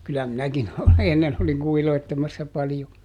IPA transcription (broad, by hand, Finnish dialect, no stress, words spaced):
kylːæ minækin enːen oliŋ kuhiloitːemɑsːɑ pɑljo